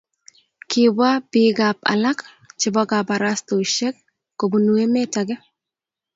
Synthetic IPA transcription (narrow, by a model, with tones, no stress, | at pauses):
kɪba˦bɪɡapa̰˨la˦k | t͡ʃɪbɔ˦ɡapa˨ɾasto˨ʃɛ˦k̚ː | o˨bu˨nu˨e˦mɛ˦ta˨ɡɛ˦